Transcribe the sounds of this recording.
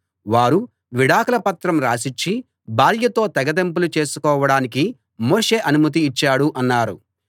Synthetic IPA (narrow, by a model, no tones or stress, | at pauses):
ʋaːɾu | ʋiɽaːkɐlɐpɐt̪ɾɐmɾaːsiɲt͡ʃːi | baːɾjɐt̪o̞ːt̪ɛɡɐd̪emp̬ulut͡ʃe̞ːsukɔːʋɐɽaːnik̬i | moːʂe̞ːʔɐnumɐt̪̬iːt͡ʃːaːɽuʔɐnːaːɾṵ